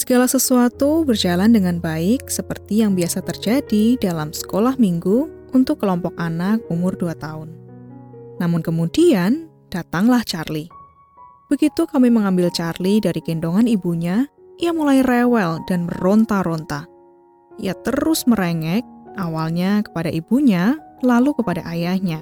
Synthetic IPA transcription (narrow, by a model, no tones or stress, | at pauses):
səɡalasəsuat̪ubərd͡ʒalandəŋanbaɪk̚səpərt̪ijaŋbiasat̪ərd͡ʒadidalamsə̥kolahmiŋɡu | unt̪ʊkːəlɔmpɔkanak̚umʊrduat̪aʊnː | amʊnkəmudian | d̥at̪aŋlaht͡ʃarli | b̥əɡit̪ukamiməŋambɪlt͡ʃarlidaɾikindoŋanibuɲa | ijamulajrɛwɛldanməront̪aɾont̪ah | ḭjat̪əɾʊsməɾeŋɛk̚ʔawalɲakə̥padaʔibuɲalalukəpadaʔajahɲa